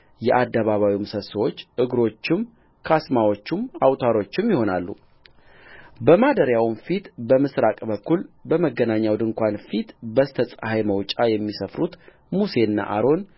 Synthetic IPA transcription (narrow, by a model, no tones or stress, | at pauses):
jɛʔad̪ːəβaβawimsəsəwo̞t͡ʃːʔɨɡɾo̞t͡ʃːɪm | kʰasmawo̞t͡ʃːumawt̪ʰaɾo̞t͡ʃːɪmjɪho̞nalːṵ | bəmad̪əɾjawnfit̪bəmɨsɾakʼbəkːulbəməɡːənaɲːawd̪ɨŋkʷanfit̪bəst̪ʰəsʼahajməwt͡ʃʼajɛmːisəfɾut̪ | muse̞nːa̰ʔaɾo̞n